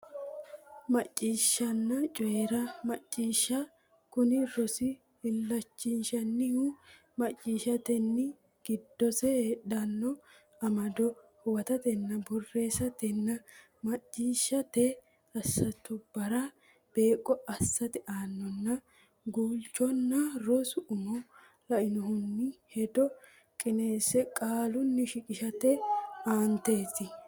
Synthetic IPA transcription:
mɐt͡ʃʼːiːʃːɐnːɐt͡ʃʼʊeːɾɐmɐt͡ʃʼːiːʃɐ | kʊnɪɾɔsɪ | hɪlːɐt͡ʃːiːnʃɐnːɪhu | mɐt͡ʃʼːiːʃɐt̪ɛnːɪ | ɡ̥ɪd̪ːɔsɛhːᶑɐnːɔ | ɐmɐd̪ɔhʊwɐt̪ɐt̪ɛnːɐbʊrːe̞ːsɐt̪ɛnːɐ | mɐt͡ʃʼːiːʃːɐt̪ɛ | ɐsːɐt̪ːʊb̥ɐɾɐ | b̥e̞ːkʼːɔɐsːɐt̪ɪʔaːnːɔnːɐ | ɡuːlt͡ʃːɔnːɐɾɔsʊʔʊmɔ | lɐʔɪnɔhʊnːɪhɛd̪ɔ | kʼɪne̞ːsɛkʼaːlʊnːɪʃɪkʼɪʃɐt̪ɛaːnt̪e̞ːt̪ːɪ

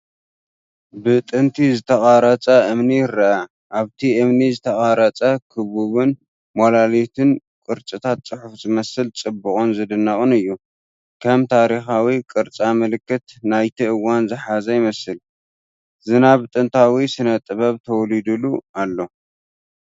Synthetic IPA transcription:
bɨt̪ʼɨnt̪ʰizɨt̪ʰɐχʼaɾɐt͡sʼɐʔɨmnijɪɾɐʔa | ʔaβt̪ʰiʔɨmnizɨt̪ʰɐχʼaɾɐt͡sʼɐkʰɨβuβɨn | molalit̪ʰɨn | kʼɨɾt͡sʼɨt̪ʰat̪̚t͡sʼɨħufzɨmɐsɨlt͡sʼɨbːɨkʼonzɨd̪ɨnːɐχʼunɨjːu | kʰɐmt̪ʰaɾixawikʼɨɾt͡sʼamɨlɨkːɨt̪najt̪ʰiʔɨwːanzɨħazɐjɪmɐsɨl | zɨnaβt̪ʼɨnt̪ʰawisɨnɐt̪ʼɨβɐβt̪ʰɐwlid̪ulualːo̞

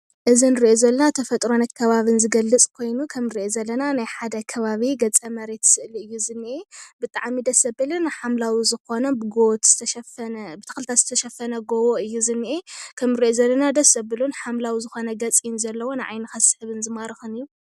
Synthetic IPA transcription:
ʔɨzinɨɾiʔozɐlːɐnat̪ʰɐfɐt̪ʼɾonɐkʰɐβaβɨnzɨɡɐlːɨt͡sʼkʰo̞jnukʰɐmɾiʔozɐlːɐnanajħad̪ɐkʰɐβaβiɡɐt͡sʼɐmɐɾet̪ʰsɨʔliɨjːuzɨnːiʔebɨt̪ʼaʕmid̪ɐsɐbɨlɨnħamlawizɨxo̞nɐbɨɡowt̪z̥ɨt̪ʰɐʃɐfɐnbɨt̪ʰɨ̥xɨlɨt̪ʰat̪z̥ɨ̥t̪ʰɐʃɐfːɐnɐɡowoʔɨjːuzɨnːiʔekʰɐmɨɾiʔozɐlːɐnad̪ɐsːɐbɨlunħamlawizɨxo̞nɐɡɐt͡sʼinzɐlːɐwo̞naʕa̰jnɐxasɨħɨβɨnzɨmaɾɨxɨnɨjːu

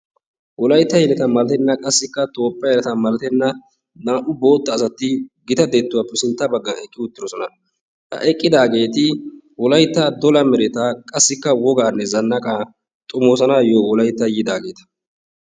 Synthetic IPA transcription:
wɔlɐjt̪ːɐjɛlɛt̪ɐmɐlɐt̪ɛnːɐkʼɐsːɪkːɐt̪o̞ːpːɐjɛɐt̪ɐmɐlɐt̪ɛnːɐ | naːʔʊbo̞ːt̪ːɐːsɐt̪ːɪɡɪt̪ɐd̪eːt̪ːʊwaːpːɛsɪnt̪ːɐbɐɡːɐɛkʼːɪʊt̪ːɪd̪ɔsɔnɐ | hɐ̰ʔɛkʼːɪd̪aːɡe̞ːt̪ɪ | wɔlɐjt̪ːɐd̪ɔlɐmɛɾɛt̪ɐkʼɐsːɪkːɐwɔɡaːnːɛzɐnːɐkʼa | t̪ʼʊmo̞ːsɐnaːjoːwɔlɐjt̪ːɐjɪd̪aːɡe̞ːt̪ɐ̥

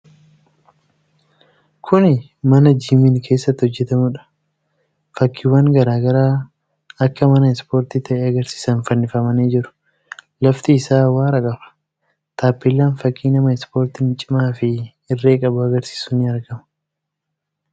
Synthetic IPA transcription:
kʰʊnɪ | mɐnɐd͡ʒiːmɪnkʰe̞ːsːɐt̪ːɪhɔd͡ʒːɛt̪ɐmʊᶑɐ̥ | fɐkːɪwaːŋɡɐɾaːɡɐɾaː | ɐkːɐmɐnɐɪspo̞ːɾt̪ɪt̪ʰɐʔɛɐɡɐɾsi̥ːsɐnfɐnːɪfɐmɐneːd͡ʒɪɾʊ̥ | lɐft̪ɪːsaːwaːɾɐkʼɐfɐ̥ | t̪aːpːɪlːaːnfɐkːiːnɐmɐɪspo̞ːɾt̪ɪnt͡ʃʼɪmaːfɪ | ɪrːe̞ːkʼɐbʊɐɡɐɾsi̥ːsʊnɪɐɾɡɐmɐ̥

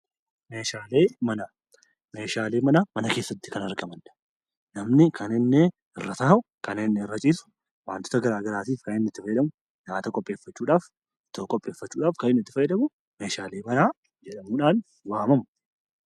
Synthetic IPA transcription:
meːʃaːleːmɐna | meːʃaːleːmɐnamɐnɐke̞ːsːɐt̪ːɪ̥kɐnɐɾɡɐmɐn | nɐmnɪkʰɐnɪnːe | ɪrːɐt̪ɐːɦʊ | kɐnɪnːɛɪrːɐt͡ʃʼiːsʊ̥ | waːnt̪ɔ̥t̪ɐɡɐɾaːɡɐɾaːt̪iːfkɐnɪnːɪt̪ːɪfɐjɛᶑɐmʊ | jaːt̪ɐkʼɔpʼːe̞ːfːɐt͡ʃːuːᶑaːf | t̪ɔkʼɔpʼːe̞ːfːɐt͡ʃːuːᶑaːfkɐnɪnːɪt̪ːɪ̥fɐjɛᶑɐmʊ | meːʃaːleːmɐnaː | d͡ʒɛᶑɐmuːᶑaːn | waːmɐmʊ

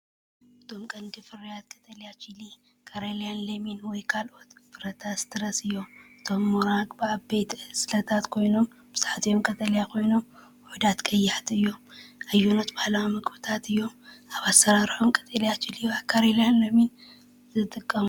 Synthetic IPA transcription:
ʔɨt̪ʰo̞mkʼɐnd̪ifɨɾijat̪kʼɐt̪ʼɐljat͡ʃʰili | kʰaɾelijanlɐminwɔjkʰalʔo̞t̪fɨɾɐt̪ʰast̪ʰɨɾɐsɨjːo̞mʔɨt̪ʰo̞mːoɾaɡʼbɨabejt̪ɨsɨlɐt̪ʰat̪kʰo̞jno̞m | bɨzħt̪ʰjomkʼɐt̪ʼɐljakʰo̞jno̞m | ħʊd̪at̪kʼɐjːaħt̪ɨjːo̞majːunot̪bahlawamɨkʼbɨt̪ʰat̪ɨjːo̞maβasːɐɾaɾħomkʼɐ̥t̪ʼɐljat͡ʃiliakʰaɾelijanlɐmin | zɨt̪ʼɨkʼːɐmu

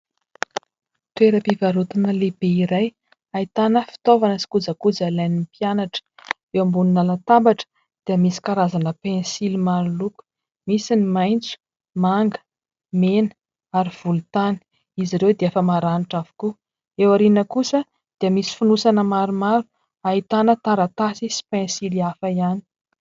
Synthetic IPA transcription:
teɾəpivaɾut̪unəlebeiɾaj | ait̪anəfi̥t̪ovanəsi̥kud͡zakud͡zalanimpjanaʈ͡ʂə̥ | ewambuninalat̪ambaʈ͡ʂə̥ | d̪̥iəmisi̥kaɾazanəpẽnsilimaɾuluku̥ | misinimajnt͡su̥ | maŋɡə̥ | menə | aɾiv̥ulut̪ani̥ | iziɾewd̪eafəmaɾaniʈ͡ʂavu̥ku | ewaɾinəkusə | d̪̥iəmisi̥funusanəmaɾumaɾu̥ | ait̪anət̪aɾat̪asisi̥pɛ̃nsiliafəiani̥

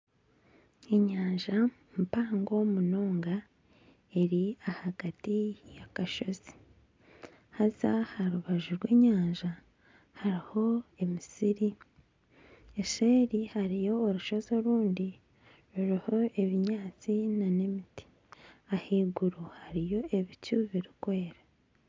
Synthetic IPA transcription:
e̞ɲaːɲʒa | mpaːŋɡo̞munoːŋɡa | e̞ɾiahaɡ̥atijakaʃo̞zi̥ | hazahaɾuβaʒuɾwe̞ːɲaːɲʒa | haɾiho̞e̞misiɾi | eʃeːɾihaɾijo̞ːɾuʃo̞zo̞ɾuːndi | ɾuɾiho̞e̞βiɲaːt͡sinane̞miti̥ | ahiːɡuɾuhaɾijo̞e̞βicuβiɾikwe̞ːɾa

